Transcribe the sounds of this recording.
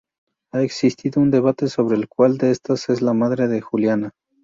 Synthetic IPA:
aeksist̪iðo̞und̪e̞β̞at̪e̞so̞β̞ɾe̞ːlkwald̪eest̪ase̞zlamaðɾe̞ðe̞xuljana

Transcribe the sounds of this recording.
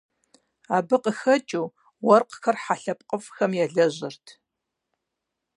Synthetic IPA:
aːbɨqəxɐt͡ʃʼuː | wɐrqxɐrħaɬɐp̚ʼqʼəfxɐmjɛɮɐʑɪrtʰ

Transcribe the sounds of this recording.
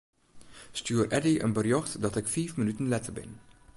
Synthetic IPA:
styːərʔɛdiʔə̰nbərjɔxtdɑtɪkfiːfmənytənlɛtərbɪ̰n

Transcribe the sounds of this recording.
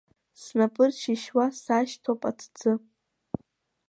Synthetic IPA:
snapʼɨrʃiʃwasaʃtʰopʼatʰd͡zɨ

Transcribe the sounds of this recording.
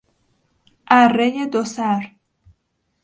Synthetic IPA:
ʔærːejed̪osæɾ

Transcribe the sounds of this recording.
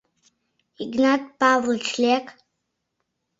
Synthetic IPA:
iɡnatʼb̥avlt͡ʃʰlʲekʼ

